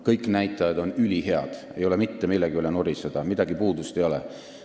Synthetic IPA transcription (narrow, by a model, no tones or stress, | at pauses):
kɤjkˑnæjt̪ːˑɑjɑd̪o̞nylʲiɦe̞ɑ̰d̪̥e̞jo̞le̞mit̪ːemilːeɡ̥iylenoɾised̪̥ɑmid̪̥ɑɡipuːd̪ust̪e̞jo̞lɛ̰